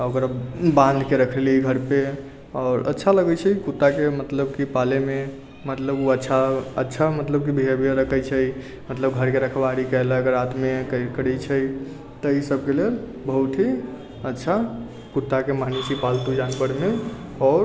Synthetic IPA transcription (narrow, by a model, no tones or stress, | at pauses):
okɾabãnd̪ʱkeɾəkʰəliiɡʱəɾpe | ɔːɾə̰tːʃʰaləɡət͡ʃʰəkut̪ːakemət̪ləbkipaleme | mət̪ləbuətːʃʰaə̰tːʃʰamət̪ləb̚kibʱiebʱiəɾəkʰəjt͡ʃʰəi | mət̪ləbɡʱəɾkeɾəkʰbaɽikəelaəɡəɾat̪mekkəɽɛt͡ʃʰəj | t̪ɔisəbkelel | bəɦut̪ʰi | ətːʃʰa | kut̪ːakemanit͡ʃʰipalt̪ud͡ʒanpəɽmeɔɾ